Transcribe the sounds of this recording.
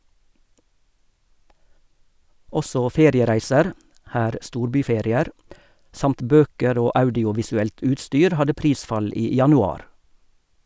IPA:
ˈɔsɔ ˈfeːɾɪəˌʁæɪsəɾ ˈhæːɾ ˈstuːɾˌbyːˌfɛɾɪˌeːɾ ˈsɑmt ˈbøːkəɾ ˈoː ˈɑʉdɪʊʋɪsʉˌɛlt ˈʉːtˌstyːɾ ˈhɑdə ˈpɾiːsfɑl ˈiː jɑnʉˈɑːɾ

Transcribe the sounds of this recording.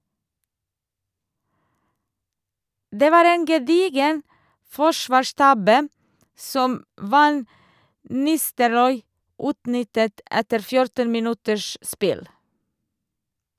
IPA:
ˈdeː ˈʋɑːɾ ˈeːn ɡɛˈdiːɡən ˈfɔʃʋɑːˌʃtɑbə ˈsɔm ˈʋɑn ˈnɪstəɾɔʏ ˈʉːtˌnʏtət ˈʔɛtəɾ ˈfjʊɾtən mɪˈnʉtəʃ ˈspɪl

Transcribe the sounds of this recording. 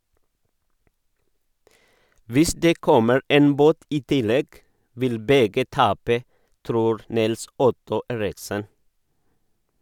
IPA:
ˈʋɪs ˈdeː ˈkɔməɾ ˈeːn ˈboːt ˈiː ˈtɪˌlɛɡ ˈʋɪl ˈbɛɡə ˈtɑːpə ˈtɾuːɾ ˈnɪlˌsʊtʊ ˈeːɾɪksən

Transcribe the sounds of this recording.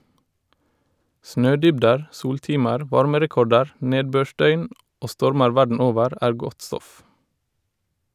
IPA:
ˈsnøːˌdʏbdəɹ ˈsuːlˌtiːməɾ ˈʋɑɹməɾɛˌkɔɖəɾ ˈneːdˌbøːˌʃdœʏn ˈʔoː ˈstɔɹməɹ ˈʋæɖɳ̩ ˈoːʋəɾ ˈʔæːɹ ˈɡɔt ˈstɔf

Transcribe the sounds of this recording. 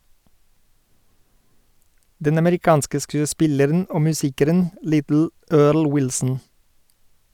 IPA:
ˈdɛn ɑməɾɪˈkɑːnskə ˌskʉːəˈspɪləɾn̩ ˈoː mʉˈsiːkəɾən ˈlɪtl̩ ˈøːɭ ˈwɪlsn̩

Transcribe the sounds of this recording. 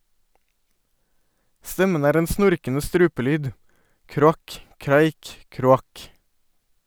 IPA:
ˈstɛmən ˈæːɾ ˈeːn ˈsnʊɾkənə ˈstɾʉːpəˌlyːd ˌkɾʊˈɑk ˈkɾæɪk ˌkɾʊˈɑk

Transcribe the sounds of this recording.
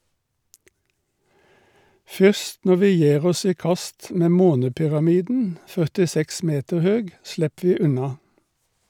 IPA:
ˈfʏst ˈnɔ ˈʋiː ˈjæːʁ ˈɔs ˈiː ˈkɑst ˈmeː ˈmoːnəpʏʁɑˌmiːdn̩ fœʁtɪˈsɛks ˈmeːtəʁ ˈhøːɡ ˈslɛp ˈʋiː ˈʉnɑ

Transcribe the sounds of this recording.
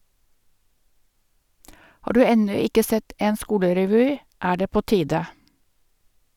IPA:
ˈhɑː ˈdʉː ˈɛnʉ ˈɪkə ˈsɛt ˈeːn ˈskuːləɾɛˌʋyː ˈæː ˈɖeː ˈpoː ˈtiːdə

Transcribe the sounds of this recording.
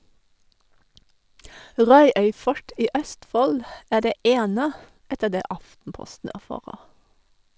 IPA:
ˈʁɑʉœʏ ˈfɔʈ ˈiː ˈœstˌfɔl ˈæː ˈɖeː ˈʔeːnə ˈɛtə ˈdeː ˈʔɑftn̩ˌpɔstn̩ æˈfɑːʁəʁ

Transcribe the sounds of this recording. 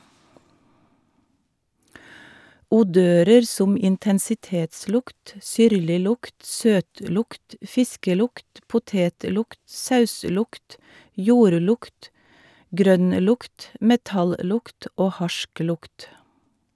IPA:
uːˈdøːɾəɾ ˈsʊm ɪntɛnsɪˈteːtˌslʊkt ˈsʏɾlɪˌlʊkt ˈsøːtˌlʊkt ˈfɪskəˌlʊkt pʊˈteːtˌlʊkt ˈsɑʉˌslʊkt ˈjuːɾˌlʊkt ˈɡɾœnˌlʊkt mɛˈtɑlˌlʊkt ˈoː ˈhɑʃˌklʊkt

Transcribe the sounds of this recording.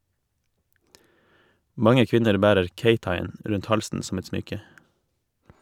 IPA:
ˈmɑŋə ˈkʋɪnəɾ ˈbæːɾəɾ ˈkeɪtɑɪˌeːn ˈɾʉnt ˈhɑlsn̩ sm̩ ˈɛt ˈsmʏkə

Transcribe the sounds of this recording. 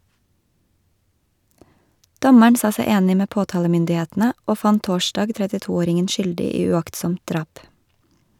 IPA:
ˈdɔməɳ ˈsɑː ˈsɛ ˈeːnɪ ˈmeː ˈpoːˌtɑːləmʏndɪˌheːtn̩ə ˈoː ˈfɑn ˈtoːˌʃtɑːɡ tɾɛtɪˈtuːˌoːɾɪŋən ˈʃʏldɪ ˈiː ʉˈɑktsɔmt ˈdɾɑːp

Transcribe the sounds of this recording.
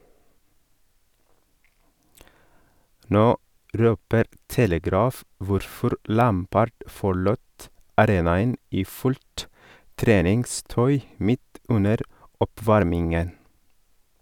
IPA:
ˈnoː ˈʔɾøːpəɾ ˈtɛləˌɡɾɑːf ˈʋʊɾfɔɾ ˈʔlæːmpəɖ fɔˈɭuːt ɑˈɾeːnɑən ˈiː ˈfʉʎt ˈtɾeːnɪŋˌstœʏ ˈmɪt ˈʉnəɾ ˈɔˌpʋɑɾmɪŋən

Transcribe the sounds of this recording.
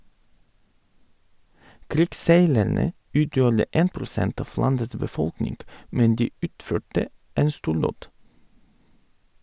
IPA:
ˈkɾɪkˌseɪlæɳə ˈʉːtjuːɾə ˈeːn pɾʊˈsɛnt ˈɑf ˈlɑndəs bəˈfɔlknɪŋɡ ˈmɛn ˈdiː ˈʉːtˌføːʈə ˈeːn ˈstuːɾˌdoːd

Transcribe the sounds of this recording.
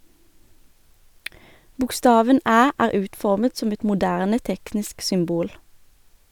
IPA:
bʊkˈstɑːʋən ˈæː ˈæːʁ ˈʉːtˌfɔʁmət ˈsɔm ˈɛt mʊˈdæʁnə ˈtɛknɪsk sʏmˈbuːl

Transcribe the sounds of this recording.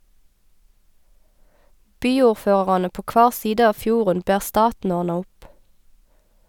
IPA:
ˈbyːuːʁˌføːʁ̩ɑnə ˈpoː ˈkʋɑːʁ ˈsiːdə ˈɑːʋ ˈfjuːʁən ˈbæːʁ ˈstɑːtn̩ ˈɔʁnɑ ˈʊp

